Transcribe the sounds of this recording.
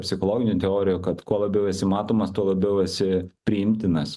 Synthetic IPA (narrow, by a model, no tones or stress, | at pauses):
pʲsʲɪxolˠoːɡʲɪnʲʊt̪ʲɛoːɾʲɪjʊkɐt̪kuɔlˠɐbʲɛʊɛsʲɪmɑːt̪oːmɐst̪uɔlˠɐbʲɛʊɛsʲɪpʲɾʲɪɪmʲt̪ʲɪnɐs